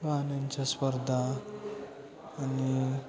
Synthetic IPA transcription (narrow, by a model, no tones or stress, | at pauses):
bʱanaɲt͡ɕjaspəɾd̪ʱa | ni